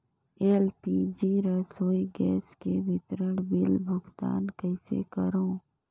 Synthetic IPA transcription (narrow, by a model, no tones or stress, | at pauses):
eːlpid͡ʒiːɾəsoːiɡɛːskeʋɪt̪ɾəɽ̃bɪlbʱʊɡt̪a̰ːnkəɪsḛkəɾõː